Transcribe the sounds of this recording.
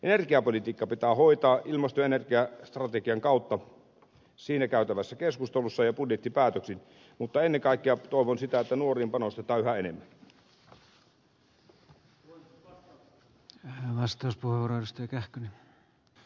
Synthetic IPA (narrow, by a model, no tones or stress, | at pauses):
ʔenerkiɑpolit̪iːkːɑpit̪æːhoit̪ɑːʔilmɑst̪ojenerkiɑst̪rɑt̪ekiɑŋkɑˑut̪ːɑ | siːnækæˑyt̪æʋæsːækeskust̪elusːɑjɑpudjet̪ːipæːt̪øksin | mut̪ːɑenːeŋkɑˑikːeɑt̪oˑiʋonsit̪æet̪ːænuoriːmpɑnost̪et̪ˑɑːyhæenemːæn | ʋɑst̪ɑˑuspuheʋuoːɾoedust̪ɑjɑkæhkøni